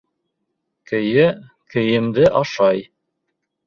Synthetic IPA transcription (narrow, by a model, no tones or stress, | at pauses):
kɘ̆jɘ | kɘ̆jɘ̆md̪ɘʔɑʃɑj